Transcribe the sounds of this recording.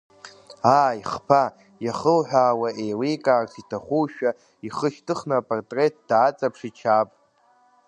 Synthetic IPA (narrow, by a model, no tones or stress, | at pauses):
aːiχpʰa | jaχəlħʷᶣaːwaʔe̞jlijkʼaːrsʰitʰaχʷuʃᶣa | iχəʃtʰɨχnɨːpʼortʼre̞t̚ʰd̥aːt͡sʼapʰʂit͡ʃʰapʼ